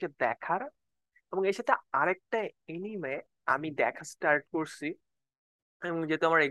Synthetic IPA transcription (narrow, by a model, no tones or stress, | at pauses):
ed̪ɛkʰaɾ | eboŋeʃat̪ʰeaɾɛk̚ʈaenime | a̰mid̪ɛ̰kʰasʈaɾʈ̚koɾt͡ɕʰi | eboŋd͡ʑet̪eamaɾe